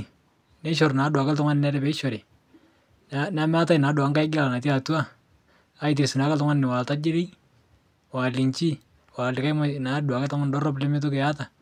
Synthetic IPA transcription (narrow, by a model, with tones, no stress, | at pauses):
ne˦ʃ̬ɔ˨ɾnaː˨˦dwa˨ka˦ltʊ˦ŋa˦nɪ˨nɛ˦ɾɛ˨pɛ˦ʃɔ˨ɾe˨ | na˦m˦a˦ta˦jna˨˦dwa˨˦ŋka˦jɡɪ˦a˨la˨na˨ti˦a˨tu˦a˦ | a˨ɪ˨t̬e˨sɪ˨na˨˦ka˦tʊ˦ŋa˦nnɪ˨wa˨lta˦d͡ʒɪ˦ɾi˦ | wa˨lɪ˨ɲt͡ʃi˦ | wa˨lɪ˨ka˦jma˦na˨˦dwa˨kɛ˦ta˦ŋa˦n˨dɔ˦rɔ˦ple˦mɪ˦t̬o˦kɪ˨ja˦ta˨